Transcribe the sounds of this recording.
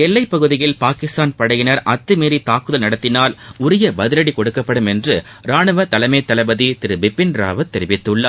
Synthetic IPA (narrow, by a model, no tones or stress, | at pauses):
ɛlːɐɪpːɐɣɯðɪjɪlpaːkɪst̪aːnpɐɽɐjɪnɐɾʔɐt̪ːɯmeːɾit̪aːkɯðɐlnɐɽɐt̪ːɪnaːlʊɾɪjɐbɐðɪlɐɽikɔɽɯkːɐpːɐɽɯmɛndrɯ | ɾaːɳɯʋɐt̪ɐlɐmeːt̪ːɐlɐbɐðit̪ɪɾɯbɪpːɪnɾa̰ːʋɐt̪ːɛɾɪʋɪt̪ːɯɭːɐ